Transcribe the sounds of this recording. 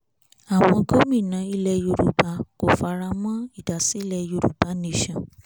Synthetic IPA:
a˨w̃ɔ̃˧ɡo˦mĩ˦˨nã˨˧˦i˧lɛ˧jo˧ɾu˨ba˨˧˦ko˨fa˧ɾa˧mɔ̃˦i˦˨da˨si˨˦lɛ˧jo˧ɾṵ˨ba˨˦nẽ˦˨ʃã˨

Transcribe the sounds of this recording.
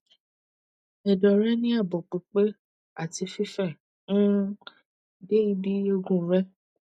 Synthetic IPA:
ɛ˨dɔ˨ɾɛ˦nĩ˦a˦˨bɔ˨k͡pe˨k͡pe˦ | a˦˨ti˧fi˦fɛ˦˨ | nũ˦˨ | de˦i˦bi˦o˧ɡũ˦˨˦ɾɛ˦

